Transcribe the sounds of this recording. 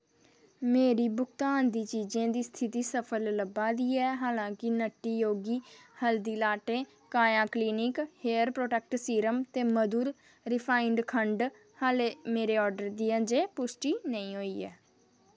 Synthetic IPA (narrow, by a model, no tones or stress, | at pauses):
meːɾiːbʊkt̪aːnd̪iːt͡ʃiːd͡ʒãːd̪iːst̪ʰɪt̪iːsəpʰəlləbaːd̪iːɛːɦaːlãːkɪnəʈːiːjoːɡiːhəld̪iːlaːʈẽː | kaːjãːkliːnɪkheːəɾpɾoːʈɛːk̚ʈsiːɾəmt̪eːməd̪uːɾ | ɾɪpʰaːɪɳɖkʰəɳɖ | haːleːmeːɾeːɔːɾɖəɾd̪iːə̃ːd͡ʒeːpʊsʈiːnəĩːɦoːiːɛ̰ː